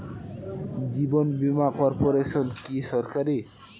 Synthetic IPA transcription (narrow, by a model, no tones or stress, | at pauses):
d͡ʒibɔnbimakɔɾpoɾesɔnkisɔɾkaɾe